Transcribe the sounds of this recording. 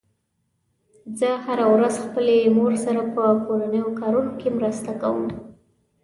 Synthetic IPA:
zəhaɾawɾazxpəlemoɾsaɾapəkoɾanəjokɑɾunokemɾəst̪akawə̰m

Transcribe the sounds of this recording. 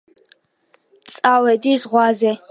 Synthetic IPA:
t͡sʼaːwɛdiːzʁʷɑːzɛ

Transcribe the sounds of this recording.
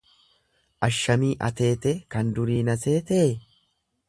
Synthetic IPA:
ʔɐʃːɐmiːʔɐ̰t̪e̞ːt̪ekɐnd̪ʊɾiːnɐse̞ːt̪e

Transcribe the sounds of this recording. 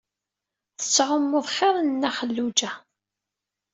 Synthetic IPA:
θə̥t͡sːʁəmːʊðˤχeɾˤnnːæχəlːud͡ʒæ

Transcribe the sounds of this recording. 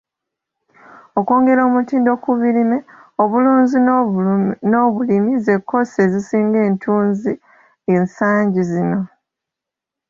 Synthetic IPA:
oko̞ːŋɡe̞ɾo̞ːmutiːndo̞kuβilime̞oβuluːnzi | no̞ːβulimize̞kːo̞se̞zisiːŋɡe̞ːntʰuːnzi | e̞nsaːɲɟizino̞

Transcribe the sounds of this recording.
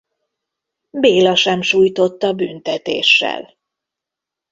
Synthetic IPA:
beːlɒʃɛmʃuːjt̪o̞t̪ːɒbynt̪ɛt̪ḛːʃːɛ̰l

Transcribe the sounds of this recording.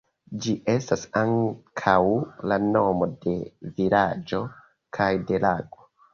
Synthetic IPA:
d͡ʒiʔe̞stasaŋkʰawlano̞mo̞de̞vilad͡ʒo̞ | kʰajde̞laɡo̞

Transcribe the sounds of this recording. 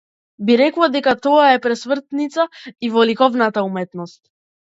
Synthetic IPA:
biɾɛklˠad̪ɛkat̪ɔaɛpɾɛsmr̩t̪nit̪saivɔlikɔvnat̪aumɛt̪nɔst̪̚

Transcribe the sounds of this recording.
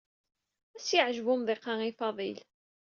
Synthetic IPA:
æsjəʕʒvʊmðˤɪqːɑŋifɑðˤil

